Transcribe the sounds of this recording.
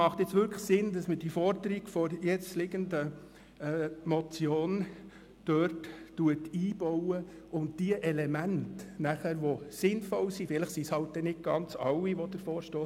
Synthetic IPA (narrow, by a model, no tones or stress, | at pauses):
mɑχt̪ɪt͡sʋʏɾksɪnd̥ɑsməd̥ifɔɾdəɾiɡ̥fɔɾjɛt͡slɪɡəndə | mɔt͡sjoːn | tøɾttuətiːb̥ɔwə | ʊnd̚d̥iəʔɛlɛmæntnæχæɾʋosɪnfɔlsifɪləχsishɑlt̚d̥̪ɛnɪd̚ɡ̥ɑnt͡sɑwːiʋɔd̥̪əɾfoːɾʃtoː